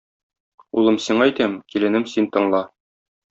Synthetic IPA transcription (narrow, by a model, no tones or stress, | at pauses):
ulˠɤmsiɴɑjt̪æmkilɘ̆nɘmsint̪ɤ̆ɴlˠɑ